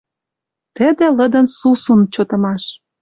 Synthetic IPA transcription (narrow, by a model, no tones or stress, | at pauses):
t̪ə̆d̪ĕlə̆d̪ə̆nsusunt͡ɕot̪ɤ̆mɑʃ